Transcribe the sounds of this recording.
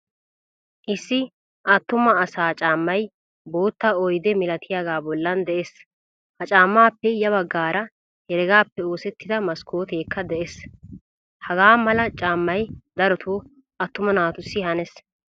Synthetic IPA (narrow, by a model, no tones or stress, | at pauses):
ʔɪsːɪ | ʔɐt̪ːʊmɐːsaːt͡ʃʼaːmːɐj | bo̞ːt̪ːɐɔjd̪ɛmɪlɐt̪ʰɪjaɡaːbɔlːɐnd̪ɛʔes | hɐt͡ʃʼaːmːaːpːɛjɐβɐɡːaːɾɐ | hɛɾɛɡaːpːɛo̞ːsɛt̪ːɪd̪ɐmɐskʰoːt̪e̞ːkːɐd̪ɛʔes | hɐɡaːmɐlɐt͡ʃʼaːmːɐjd̪ɐɾɔt̪ʰoː | ʔɐt̪ːʊmɐnaːt̪ʊsːɪhɐnɛs